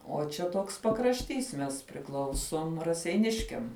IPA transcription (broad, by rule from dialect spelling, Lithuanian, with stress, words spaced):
oː t͡ʃʲɛ ˈtoːks pɐkrɐʃʲˈtʲiːs mʲɛs pʲrʲɪˈklˠɐʊsoːm rɐsʲɛɪˈnʲɪʃʲkʲɛm